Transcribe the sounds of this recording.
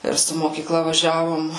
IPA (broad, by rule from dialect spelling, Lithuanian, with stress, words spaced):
ˈɪr sʊ moːkʲiːˈklˠɐ ʋɐˈʒʲæːʋoːm